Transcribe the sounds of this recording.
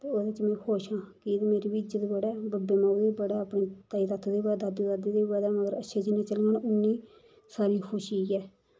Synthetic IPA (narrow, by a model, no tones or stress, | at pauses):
t̪eːoːd̪et͡ʃmẽːkʰoːʃãːkiːd̪meːɾeːbid͡ʒəd̪eːbəɽɛːbbeːmãːʋiːbəɽaːapɳeːt̪aiːt̪at̪ʰd̪eːbəd̪ad̪iːd̪ad̪iːd̪eːbad̪ɛːməɡəɾəʃʰeːd͡ʒɪnːeːt͡ʃəlːənʊnːiː | saːɾiːkʰoʃiːɛː